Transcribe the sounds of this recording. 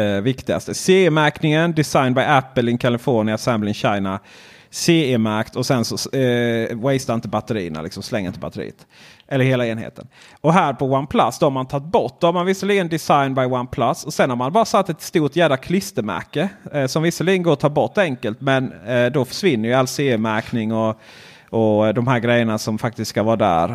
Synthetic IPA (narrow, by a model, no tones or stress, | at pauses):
vɪkt̪ɪɡa̰st̪əseːemæɾknɪŋənd̪ɪsaɪnbaɪæpːəlɪŋkʰalɪfoːɳɪasɛmblɪŋɕaɪna | seːemæɾkt̪ʰɔsɛnsɔ | wɛɪst̪aɪnt̪ɪbat̪əɾḭːna̰lɪksɔmslɛŋːəɪnt̪əba̰t̪ːəɾḭːət̪ʔɛlːəɾheːlaeːnhḛːt̪ə̰n | ɔɦæːɾpʰɔwanpʰlat̪sd̪ɔhaɾmant̪ʰɑt̪̚ːbɔʈ̚ːd̪̥ɔhaɾmanvɪsːaliːɡənd̪ɪsajnbaɪwanpʰlasːɔsɛnhaɾmanbɑːɾasat̪ːɛt̪st̪uːʈjæːd̪akʰlɪst̪əmæ̰ɾkəsɔmvɪsːaliːɡənɡoːt̪ʰɑːɾbɔʈːɛŋkəlt̪mɛnd̪ɔfœ̥ʂvɪnːəɾjɵalseːemæɾknɪŋɔ | ʔɔd̪ɔmɦæːɾɡɾɛjːəɳasɔmfak̚t̪ɪst̪skavɑːɾd̪æ̰ːɾ